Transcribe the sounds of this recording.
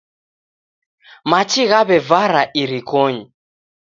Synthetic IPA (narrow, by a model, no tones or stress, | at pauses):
mat͡ʃiɣaβɛvaɾaʔiɾikɔɲi